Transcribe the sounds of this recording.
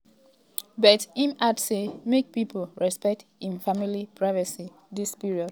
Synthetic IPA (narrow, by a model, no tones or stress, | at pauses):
bɛtĩnatsemek̚pipʰl̩ɹɛspɛk̚tĩnfamilipʰɹaɪvəsi | dispiɹiɔd